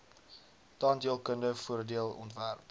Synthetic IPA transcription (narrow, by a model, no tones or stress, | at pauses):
tɑːndiəlˠkəndəfuərdiəlˠɔ̰ntværp